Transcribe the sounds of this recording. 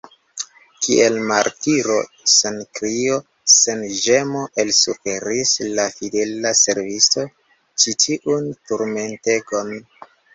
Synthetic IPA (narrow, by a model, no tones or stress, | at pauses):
kiʔelmaɾtiɾo̞ | senkɾio | senʒe̞moʔe̞lsufe̞ɾislafide̞lase̞ɾvisto̞ | t͡ʃitʰiʔuntuɾme̞nte̞ɡon